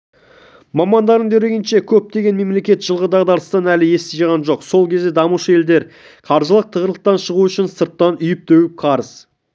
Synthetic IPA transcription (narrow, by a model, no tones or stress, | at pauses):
mɑmɑnd̪ɑɾəɴd̪ʰeɾe̞ɡʲɪnʃe̞kʲʰɵp̚t̪e̞ɡʲe̞nme̞mle̞kʲe̞t̪ʒ̥əlˠʁəd̪ɑʁd̪ɑɾəst̪ɑnælɪje̞st̪eʒɑʁɑnʒo̞qso̞lˠkʲʰe̞zd̪e̞d̪ɑmuʃəe̞ld̪e̞ɾ | qʰɑɾʒəlˠəq̚t̪ʰəʁəɾlˠəq̚t̪ɑnʃəʁuʏʃɪnsəɾt̪ːɑnʏjɪp̚t̪ʰewɪp̚qʰɑɾəz